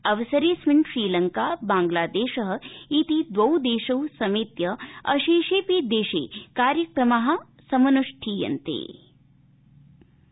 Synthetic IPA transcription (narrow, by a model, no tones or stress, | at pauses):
ɐʋɐsɐɾeːsmɪɳʃɾiːlɐŋkaːbãːŋɡlaːd̪eːʃɐɦɐ̆it̪id̪ʋɐwd̪eːʃɐwsɐmeːt̪jɐɐʃeːʃeːpeːd̪eːʃḛːkaːɾjɐkɾɐmaɦɐ̆ | sɐmɐnuʂʈʰiːjɐ̰nt̪ḛː